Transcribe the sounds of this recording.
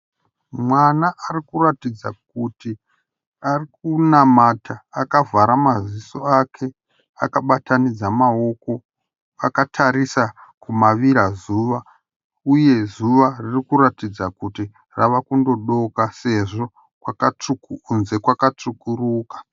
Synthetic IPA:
mwanaʔarikuratid͡za̰k̚uti | arik̚unamatʰaːkavʱaɾamazisoakʰe̞ | akaɓatanid͡zamao̞ko̞ | akatʰaɾisakumaʋiɾazuːʋa | uje̞zuʋaririkuɾatid͡zakuti | raʋakundo̞ɗo̞kase̞ʐo̞ | kwakat͡ʂuknze̞kwakat͡ʂukuruːkḁ

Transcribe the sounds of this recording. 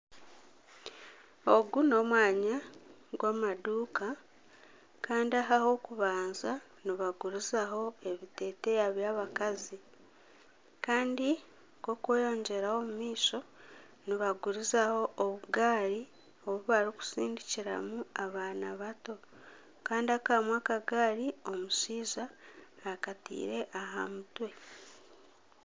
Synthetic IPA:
o̞ɡuno̞ːmwaːɲaɡwaːmaduːka | kaːndiaɦaho̞kuβaːnza | niβaɡuɾizaɦo̞e̞βite̞ːte̞jaβjaːβakazi | kaːndi | ko̞kweːjo̞ːɲɟe̞ɾaho̞mumiːso̞ | niβaɡuɾizaho̞ʔoβuɡaːɾi | o̞βuβaɾiku̥siːndiciɾa̰muaβaːnaβato̞ | kaːndiakaːmwakaɡaːɾio̞musiːzaː | katḭːɾe̞ʔaɦa̰mutwe̞

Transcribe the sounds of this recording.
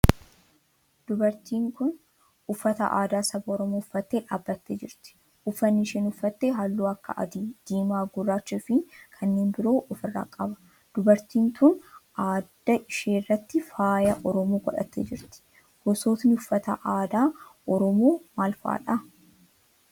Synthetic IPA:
d̪ʊbɐɾt̪iːŋkʊn | ʊfːɐt̪ɐ̰ʔa̰ːd̪aːsɐbɐɔɾɔmoːʊfːɐt̪ːeːᶑaːbːɐt̪ːḛːd͡ʒɪɾt̪ɪ̥ | ʔʊfːɐnːɪʃɛnʊfːɐt̪ːeːɦɐlːuːɐkːɐ̰ʔɐ̰d̪id̪̥iːmaːɡʊrːaːt͡ʃːufɪkʰɐnːe̞ːnbɪɾo̞ːʔɔfɪrːa̰ːkʼɐbɐ̥ | d̪̥ʊbɐɾt̪iːnt̪ʊnʔaːd̪ːɐʔɪʃeːrːɐt̪ːɪfaːjɐʔɔɾɔmoːɡɔᶑɐ̰t̪ːḛːd͡ʒɪɾt̪ɪ̥ | hɔsoːt̪nɪʊfːɐt̪ɐʔaːd̪aːʔɔɾɔmoːmaːlfa̰ːᶑɐ

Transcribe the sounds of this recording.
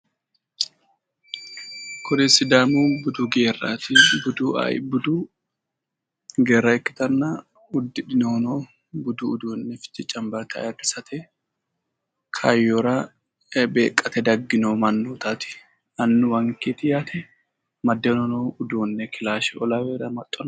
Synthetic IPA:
kʰʊd̪ɛsɪd̪aːmubʊd̪uɡeːrːa̰ːt̪ɪbʊd̪ṵbʊd̪uː | ɡeːrːɐɛkːɪ̥t̪ɐnːa | ʊd̪ːɪᶑɪnoːnoː | bʊd̪uʊd̪uːnːɛfɪ̥t̪ːɪt͡ʃʼɐmbɐɾt̪ʰɐ̰jɐrɪsɐt̪ʰɛ | kʰɐjːoɾɐ | be̞ːkʼːɐt̪ɛd̪ɐɡːɪnoːmɐnːuːt̪at̪ɪ̥ | ɐnːʊwɐŋkiːt̪ɪjaːt̪ʰɛ | mɐd̪ːɛnonoːʊd̪uːnːɛkʰɪlaːʃɛɔlɐweːɾɐmɐt̪ʼːɔnɐ

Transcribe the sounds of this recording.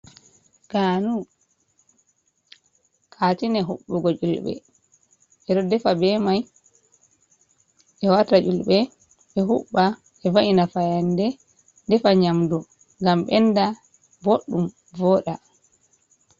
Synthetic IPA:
ɡ̥aːnu | kʰatinɛɦuɓːuɡɔd͡ʒulɓɛ̰ | ʔɛɗɔdɛfabɛmaj | ɛwatad͡ʒulɓɛ | ɓɛɦuɓːa | ɛvaʔinafajandɛ | dɛfaɲamdu | ŋɡamɓɛnda | boɗːum | vɔɗa

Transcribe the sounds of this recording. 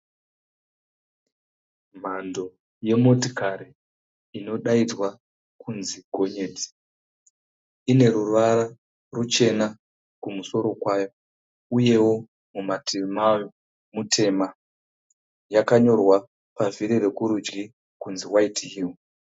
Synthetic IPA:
m̤ando̞ | je̞motikaɾiː | no̞ɗaid͡zwa | kunziɡʱo̞ɲe̞ːd͡zi̥ | ine̞ɾurʋaɾa | rut͡ʃe̞na | kumuso̞ɾo̞kwajo̞ | uje̞wo̞ | mumatʰimajo | mutʰe̞ma | jakaɲo̞rwa | paviɾire̞kuɾud͡ʒɡi | kunziwaitɦil

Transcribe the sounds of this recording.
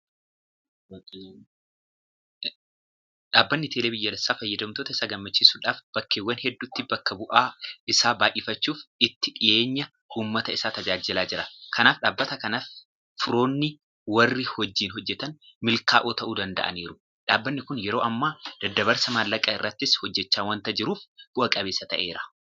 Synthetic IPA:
ᶑaːbːɐnːɪt̪ʰeːleːbɪjːɐlɛsːaːfɐjːɐd̪ɐmt̪oːt̪ɐɪsaːɡɐmːɐt͡ʃːɪsuːᶑaːfb̥ɐkːeːwːɐnhɛd̪ːuːt̪ːɪbɐkːɐbʊʔaːɪsaːbaːʔɪfɐt͡ʃːuːfɪt̪ːɪᶑɪje̞ːɲːɐ | ʔuːmːɐt̪ɐɪsaːt̪ɐd͡ʒaːd͡ʒɪlaːd͡ʒɪɾɐkʰɐnaːfᶑaːbːɐt̪ɐkɐnaːf | fʊɾo̞ːnːɪ | wɐrːɪhɔd͡ʒːiːnɦɔd͡ʒːɛt̪ɐnmɪlkaːʔoːt̪ɐʔuːd̪ɐnd̪ɐ̰ʔɐ̰niːɾʊ | ᶑaːbːɐnːɪkʊnjɛɾo̞ːʔɐmːaːd̪̥ɐd̪ːɐbɐɾsɐmɐlːɐkʼaɪrːɐt̪ːɪshɔd͡ʒːɛt͡ʃːaːwɐnt̪ɐd͡ʒɪɾuːfb̥ʊʔɐkʼɐbeːsːɐt̪ɐʔe̞ːɾɐ̥

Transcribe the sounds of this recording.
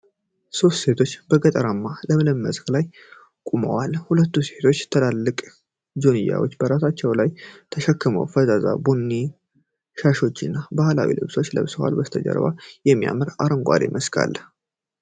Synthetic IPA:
so̞st̪se̞t̪ʰo̞t͡ʃːbəɡət̪ʼəɾamːaləmələmːəzklaj | kʼumə̰walhulət̪ːuse̞t̪ʰo̞t͡ʃːt̪ʰəlalːɨkʼ | d͡ʒo̞nɨjːa̰wo̞t͡ʃːbəɾasat͡ʃːɛwlajt̪ʰəʃəkːɨmə̰wfəzaza̰bunːi | ʃaʃo̞t͡ʃːɨnːabahla̰wḭlɨ̰βso̞t͡ʃːlə̰βsɨwa̰lbəst̪ʰəd͡ʒə̰ɾba̰jɛmːija̰mɨɾaɾəŋɡʷʼa̰ɾḛmʔəskʰa̰lː

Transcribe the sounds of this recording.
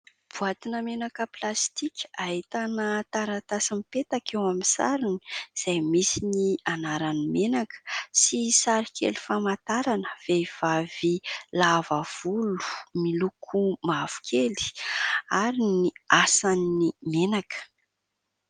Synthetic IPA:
b̥uat̪inəmenakəplast̪ikʲaɦit̪anət̪aɾat̪asimipet̪akewamisa̰ɾini̥z̥ajmisinianaɾanimenakə̥sisaɾikʲʰḛlifamat̪aɾanə̥v̥ev̥avilavav̥ulu̥milukʰumav̥u̥kʰeli̥aɾiniasanimenakə̥

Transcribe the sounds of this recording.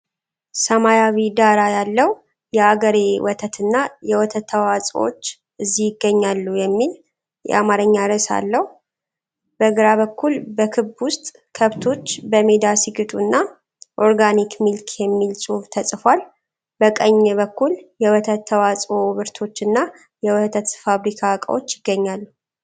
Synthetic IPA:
səmajawid̪aɾajalːəw | jɛaɡəɾewɔt̪ʰət̪ʰɨnːajɛwɔt̪ʰət̪ʰːəwat͡sʼwo̰t͡ʃː | ɨzːijɪɡːəɲːalːujɛmːil | jɛ̰amaɾəɲːaɾəsa̰lːəh | b̥əɡɾaβəkːulbəkʰɨbwʊst̪ʼ | kʰəβt̪ʰo̞t͡ʃːbəmed̪asiɡɨt̪ʼunːa | ʔo̞ɾɡanikmilkʰjɛmːilsʼuβt̪ʰəsʼfʷal | bəkʼəɲːɛβəkːuljɛwt̪ʰət̪ʰːəwat͡sʼoβɨɾt̪ʰo̞t͡ʃːɨnːa | jɛwɔht̪ʰət̪faβɾikʰakʼə̰wot͡ʃːjɪɡːəɲːalːu

